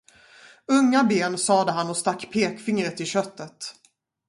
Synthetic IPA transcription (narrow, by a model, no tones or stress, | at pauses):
ɵŋːabeːnsɑːd̪əɦanːɔst̪akːpʰeːkfɪŋɾət̪ːɪɕœt̪ːət̪